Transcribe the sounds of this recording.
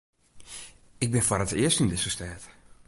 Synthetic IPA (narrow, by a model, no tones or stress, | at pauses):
ɪk̚bɪnfɔrətɪəstindɪsəstɛːt